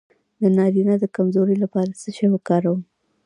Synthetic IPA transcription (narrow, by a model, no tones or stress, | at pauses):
d̪ənɑɾinad̪əkamzoɾəjlapɑɾasəʃewəkɑɾawu